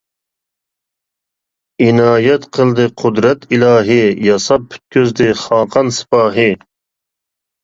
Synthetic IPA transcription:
inɑːjɛt̪qʰəlˠd̪ɨqʰʊd̪ɾɛt̪ʰilɑːɦijɑsɑp̚pʰy̥t̪̚kʲøzd̪ɪχɑːqʰɑnsɪ̥pɑːɦi

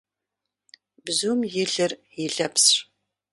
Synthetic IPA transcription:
bzuːmjɪɮɨr | jɪɮɐps

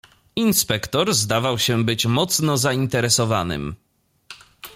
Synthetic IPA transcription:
inspɛkt̪ɔɾzd̪avawɕɛbɘt͡ɕmɔt̪snɔzaint̪ɛɾɛsɔvanɘ̰m

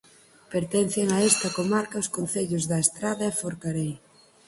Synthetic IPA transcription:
peɾt̪ɛn̟θeŋaɛst̪ɐkomaɾkɐʊskon̟θeʎʊzðɐest̪ɾaðɐɛfoɾkaɾej

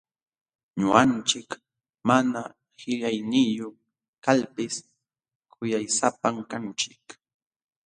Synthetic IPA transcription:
ɲʊ̰ant͡ʃɪk | mana | hɪʎajnɪjo | kalpɪs | kʰʊjajsapamkant͡ʃɪk

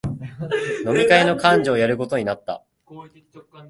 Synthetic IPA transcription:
no̞mʲikaeno̞kãɲ̟d͡ʑo̞ːjaɾɯ̟ko̞t̪o̞ɲ̟inat̪ːa̰

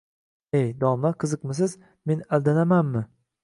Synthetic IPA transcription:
ejd̪ɒmaqʰɨzɨqmɪsɪz | me̞nald̪anamanmɪ

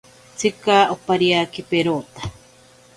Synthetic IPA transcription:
t͡sɨkaːopaɾiakipeɾoːt̪ḁ

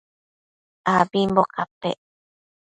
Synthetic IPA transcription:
abimbokapḛʔ

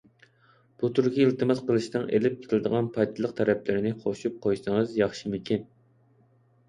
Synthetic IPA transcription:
b̥ut̪ʰuɾkʲiilt̪ɨmɨzqəlˠɨʃnɨŋʔḛlɪp̚kʲʰt̪ʰɪlɪd̪əʁɑnpʰɑjt̪ʰɨlˠəqt̪ʰɛɾɛplɪɾɪnɪχʰoʃup̚qʰojsɨŋəzjɑχʃimɪkʲin

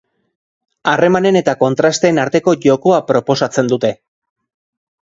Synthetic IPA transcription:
are̞mane̞ne̞t̪ako̞nt̪ɾast̪e̞ːnaɾt̪e̞ko̞ʝo̞ko̞apɾo̞po̞sat͡se̞nd̪ut̪e̞

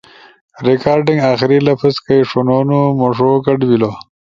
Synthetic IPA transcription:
ɾekaːɾɖiŋɡaːxiɾilɐfɐskɐjʂonoːnumoʂoːkɐɖbilo

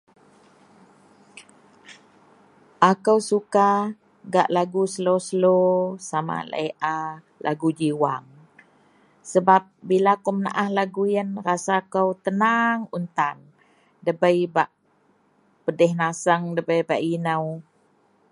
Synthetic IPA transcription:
ʔakəwsuka | ɡa̰ʔlaɡusəlosəlosama̰la̰iʔa | lʔa̰ɡud͡ʒiwaŋ | səbap̚bilakəwməna̰ʔahlaɡujənrasakəwt̪ənaŋunt̪an | dəbəjbaʔ | pədɛhnasəŋdəbəjbaʔinəw

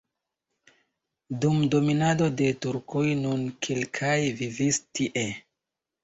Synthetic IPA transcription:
dumdo̞minado̞de̞tuɾkʰojnunkʰelkʰajvivistiʔe

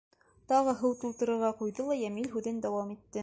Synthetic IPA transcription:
t̪ɑʁɤɦɤwt̪ulˠt̪ɤ̆ɾɤ̆ɾʁɑqujðɤlˠɑjæmilɦʉðɘnd̪æwɑmit̪ːɘ

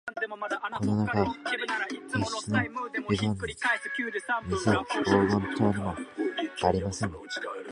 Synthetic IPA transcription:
ko̞nonaka | eɕt͡sɨnoizãnː | mʲiseoːɡõnt̪oːnimoaɾʲimasẽ̞ŋ

